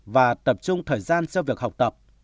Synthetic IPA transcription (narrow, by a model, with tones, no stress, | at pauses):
vaː˨˩t̪ə˨˩p̚t͡ɕʊ˧ŋ͡mt̪ʰəː˨˩jzaː˧nzɛ˧wvi˨˩ək̚ha˨˩k͡p̚t̪ə˨˩p̚